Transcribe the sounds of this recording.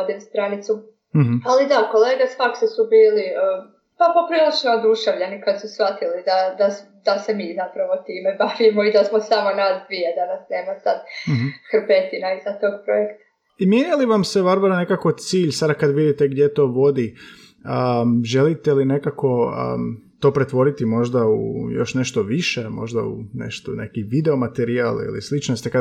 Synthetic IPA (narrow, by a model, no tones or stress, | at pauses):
d̪imst̪ɾanit̪su | ɦalid̪akoleːɡesʋaksesubiːliə | papo̞pɾiːlˠit͡ʃnood̪uʃeʋʎanikad̪susʋat̪ilid̪ad̪asd̪ase̞miːzapɾaʋo̞t̪iːme̞baʋimoid̪asmo̞samo̞nad̪d̪ʋied̪anasne̞ːmasad̪kɾpet̪inaizat̪o̞ːɡ̚pɾojekt̪ḁ | imjeɲeliʋamseʋaɾʋaɾane̞kako̞t̪siːʎsad̪akad̪ʋid̪it̪eɡd̪jet̪o̞ːʋo̞d̪i | əʒe̞lit̪eline̞kako̞ə̰ːt̪o̞ːpɾet̪ʋo̞ɾit̪imo̞ʒd̪aṵjo̞̰ʃne̞ʃt̪o̞ʋiʃe̞mo̞̰ʒd̪a̰ṵnḛʃt̪onekiʋid̪eo̞mat̪eɾialḭlḭslit͡ʃnost̪ika